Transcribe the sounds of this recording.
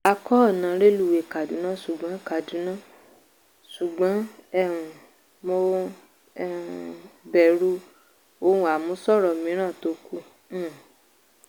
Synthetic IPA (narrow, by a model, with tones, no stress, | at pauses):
a˧kɔ˦˨nã˨˦ɾe˦lu˦˨we˨ka˨dũ˨˦nã˦˨su˨ɡ͡bã˨˦ka˨du˨˦nã˦˨ | su˨ɡ͡bã˨˦ɛ˦˨ũ˨ | mo˧ | ɛ˦˨ | bɛ˨ɾu˦ | o˧˦ũ˨˦a˨mũ˨˦sɔ˦˨ɾɔ˧˨mĩ˨˦ɾ̃ã˦˨to˧˦kũ˦˨